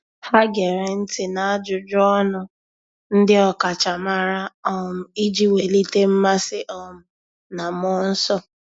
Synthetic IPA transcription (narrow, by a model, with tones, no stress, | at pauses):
ha˦ɡe˨ɾe˨n̩˦tɪ˨na˨a˦d͡ʒʊ˨d͡ʒɔ˦nʊ˨ | n̩˦dɪ˦ɔ˦ka˨t͡ʃa˨ma˦ɾa˦ɔ˦m̩˦i˦d͡ʒi˦we˨li˦te˦m̩˦ma˦sɪ˦ʔɔ˦m̩˨ | na˨mɔ˦n̩˦sɔ˦